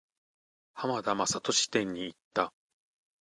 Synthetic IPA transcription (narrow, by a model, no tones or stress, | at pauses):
hamad̪amasat̪o̞ɕi̥t̪ẽ̞ɲ̟ːiːt̪ːa